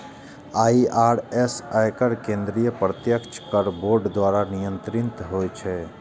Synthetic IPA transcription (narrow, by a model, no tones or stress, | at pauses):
aːiʔaːɾɛsajkəɾkẽːnd̪ɾijəpɾət̪jəkt͡ʃʰkəɾboːɾɖd̪waːɾanijə̃nt̪ɾɪnt̪ɦojt͡ʃʰɛ